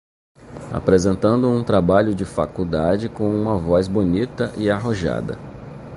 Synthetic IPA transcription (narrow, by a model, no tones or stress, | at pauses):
a̰pɾezẽnt̪ɐ̃nd̪ʊũt̪ɾabaʎʊd͡ʒɪfa̰kud̪ad͡ʒɪkõw̃ũmɐvɔzbonit̪ɐʔɪaɦoʒa̰d̪ɐ̰